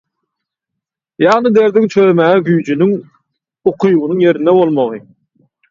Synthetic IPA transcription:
jɑʁnɯd̪e̞ɾd̪iŋt͡ʃʰømæːɛɡyjd͡ʒynyŋ | oqʰujʁunɯŋje̞ɾind̪ebo̞lˠmoʁɯ

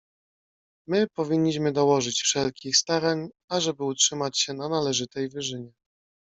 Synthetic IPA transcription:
mɘpɔvʲiɲːiɕmɘd̪ɔwɔʐɘt͡ɕfʂɛlkʲixst̪aɾaɲ | aʐɛbɘutʂɘmat͡ɕɕɛnanalɛʐɘt̪ɛjvɘʐɘɲɛ

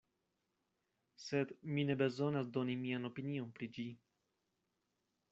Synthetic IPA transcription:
se̞d̪mine̞be̞zo̞nasdo̞nimiano̞pinio̞npɾid͡ʒi

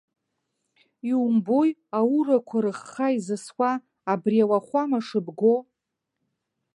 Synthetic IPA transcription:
iumbojaurakʷʰaɾɨχːaizɨskʷaː | briawaχʷamaʂɨbɡo

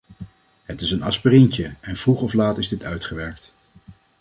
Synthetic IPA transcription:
ɦətɪsənɑspərɪɲcəɛnv̥ruχɔflaːtɪzdɪtʰœɥtχəʋɛɹk̚t

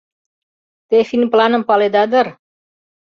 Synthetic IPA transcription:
t̪efinplanəmpaled̪ad̪əɾ

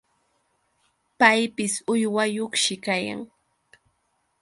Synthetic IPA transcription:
pajpɪsʊjwajoχʃɪkaja̰ŋ

